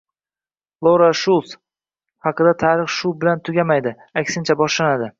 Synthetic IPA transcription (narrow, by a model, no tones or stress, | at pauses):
lˠoɾaʃʊlˠs | hɑqɨd̪at̪ʰaɾɨχʃʊbɪlant̪ʰʊɡʲamajd̪ɪ | akʲsɪnt͡ʃʰabɒʃlanad̪ɪ